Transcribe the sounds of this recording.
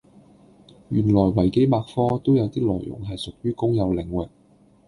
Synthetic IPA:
jyː˨˩nlɔː˨˩jwɐ˨˩jke˨˥jmaː˧k̚fɔː˥t̪o˥wjɐ˨˧wt̪iː˥lɔ̰ː˨˩jːʊ̰˨˩ŋɦɐ˨jsʊ˨k̚jyː˥kʊ˥ŋjɐ˨˧wlɪ˨ŋwɪ˨k̚

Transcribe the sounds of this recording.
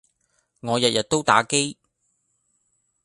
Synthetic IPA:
ŋɔː˨˧jɐ˨t̚jɐ˨t̚t̪o˥wt̪aː˨˥ke˥j

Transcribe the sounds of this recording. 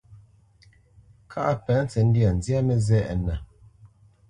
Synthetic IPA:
kʰa˦ʔa˦pɛ˨˦n˦t͡sɛ˨n̩˦di˦a˨n̩˨zja˦mɛ˨zɛ˦ʔɛ̰˨na˨

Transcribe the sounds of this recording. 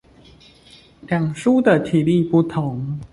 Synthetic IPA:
ljɑ˨˩ŋʂu˥d̪ə˨t̪ʰi˨˩li˥˧˨pu˥˩t̪ʰʊ˧˦ŋ

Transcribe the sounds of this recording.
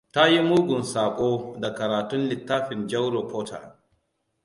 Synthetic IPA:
ta˦ji˦muː˦ɡʷʊ˨nsaː˨kʷʼoː˦da˨kɐ˨ɾaː˨tʊ˦nlɪ˨tːaː˦ɸɪ˨nd͡ʒɐ˦wɾo˨pʰoː˦ta̰˨

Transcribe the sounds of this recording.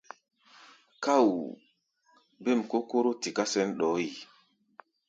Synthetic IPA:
ka˦˨w | be˦˨mko˦ko˦ɾo˦ti˨ka˦sɛ˦nɗɔ˨˦i˨

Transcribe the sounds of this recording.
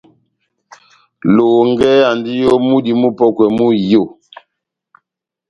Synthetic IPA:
lo˨ŋɡɛ˦a˨ndi˦jo˦mu˦di˨mu˦pɔ˦kwɛ˨mu˦jo˦˨

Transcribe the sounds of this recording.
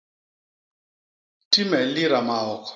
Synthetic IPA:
ti˦mɛ˨li˦ɾa˨ma˨ɔ˨k

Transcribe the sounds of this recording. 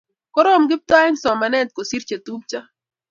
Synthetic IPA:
kɔ˦ɾɔ˦mɡɪ˦p̚ta˦ɛ˦ŋsɔ˨ma˨nɛ˦t̪̚ko˨si˦ɾt͡ʃa˨t̪u˦p̚t͡ʃa˦

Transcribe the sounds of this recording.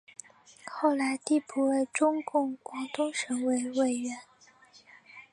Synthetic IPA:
xo˥˩ʊla˧˥ɪt̪i˥˩pʰu˥˩we˥˩ɪʈ͡ʂʊ˥ŋkʊ˥˩ŋkwɑ˧˥ŋt̪ʊ˥ŋʂɤ˧˥ŋwe˧˥˩ɪwe˥˩ɪɥɛ˧˥n

